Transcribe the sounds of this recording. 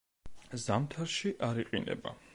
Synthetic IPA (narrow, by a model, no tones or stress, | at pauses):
zamt̪ʰaɾʃiʔaɾiqʼinɛ̰ba̰